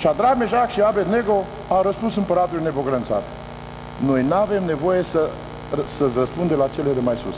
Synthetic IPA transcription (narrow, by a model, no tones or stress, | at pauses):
ʃad̪ɾaɡ̚meʒakʃiabet̪ne̞ɡo | awɾəspunsɨmpəɾat̪ulinepoɡɾənt̪sa̰t̪ | no̞jnave̞mne̞vo̞jesə | səsrəspund̪elat͡ʃelelemajsṵs